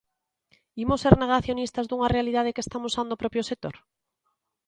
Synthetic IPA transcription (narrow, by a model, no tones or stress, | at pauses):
imoseɾneɣ̞aθjonist̪azðuŋarealið̞aðekest̪amosand̪opɾɔpɾjosek̚t̪oɾ